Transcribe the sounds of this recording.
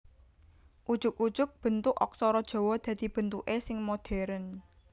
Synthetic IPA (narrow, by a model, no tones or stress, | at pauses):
ʔud̥ʒ̥ʊkud̥ʒ̥ʊk̚b̥ə̤nt̪ʊʔɔ̰k̚sɔɾɔd̥ʒ̥o̤wɔd̪̥ä̤d̪̥ib̥ə̤nt̪uʔesɪŋmod̪̥ɛ̤ɾən